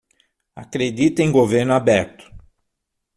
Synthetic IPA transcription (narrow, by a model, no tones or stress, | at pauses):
akɾed̪it̪ẽj̃ɡoveɾnʊabɛɾt̪ʊ̥